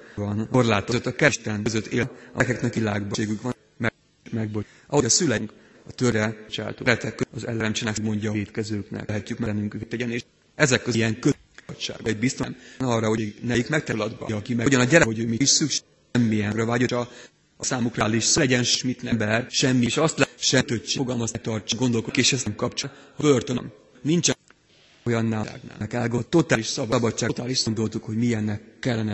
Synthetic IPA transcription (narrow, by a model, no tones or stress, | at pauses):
vɒnorlaːt̪ozøt̪ːɒkɛʃt̪ɛnøzøt̪ːḛːlɒkɛknɛkʋilaːɡbeːɡykʋɒ | mɛ | mɛɡ̚bo | ʔɒho̞ɟɒsylɛŋk | ɒt̪øɾɛt͡ʃa̰ːt̪o̰ɾɛt̪ɛkːøɒzɛ̰lɛɾɛmt͡ʃɛnɛkɡmo̞ɲɟɒeːt̪kɛzøːknɛ̰lɦɛcːykmɛnyŋkyt̪ːɛɟɛneːʃ | ɛzɛkːøijɛŋkø | tʃa̰ːɡboɛɟbist̪omnɒːrːɒɦo̞nɛjikmɛk̚t̪ɛlɒd̪bɒ̰ːkimɛɟɒnɒɟɛɾɛɦo̞ɟøːmiiʃsykʃ | mːiɛɡrɒvaːɟoɒ | ɒsaːmukraːliʃsɒlɛɟɛnʃmit̪nɛmbɛrʃɛmːiʃɒst̪lɛʃɛt̪øtt͡ʃoɡɒlmɒzɛt̪ɒrt͡ʃɡo̞nd̪o̞lkokeːʃɛzmkɒpt͡ʃhbørt̪ønm | nint͡ʃɛ | jɒnːaːa̰ɡna̰ːkɛlɡot̪o̞t̪aːliʃsɒbbɒt͡ʃːaːt̪aːliʃsond̪o̞lt̪ukho̞ɟmiɛnːɛkːɛlːɛnɛ